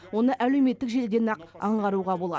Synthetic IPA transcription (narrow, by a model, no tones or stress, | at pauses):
wo̞nəʔælewme̞t̪ːɪkʒe̞ld̪e̞nɑqɑɴʁɑɾuʁɑbo̞lˠɑ̰